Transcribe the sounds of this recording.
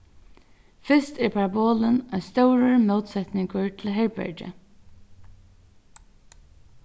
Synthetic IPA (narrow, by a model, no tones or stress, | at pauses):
fɪst̪ɛɹpʰaɹaboːlənɑst̪œwɾəɹmowt̪sɛt̪nɪŋkʊɹt̪ʰɪlɦɛɹbɛ̰ɹt͡ʃə̰